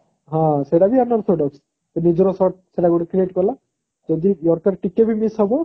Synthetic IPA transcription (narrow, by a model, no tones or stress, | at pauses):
ɦãseʈabianaɾt̪ʰɾoɖɔks | t̪onid͡ʑɔɾɔsɔɾʈ̚seʈaɡuɽikɾieʈkɔɾla | d͡ʒod̪ijɔɾkaɾʈikebʱimisɦɔbo